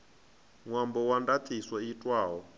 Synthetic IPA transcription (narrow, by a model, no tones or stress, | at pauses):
ŋwambɔwandat̪ʰiswaitʼwaːɦɔ